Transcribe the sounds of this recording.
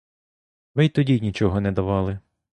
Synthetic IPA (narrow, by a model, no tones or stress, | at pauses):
ʋɪjt̪ɔdʲinʲit͡ʃɔɦɔnɛd̪ɐʋɑlˠɪ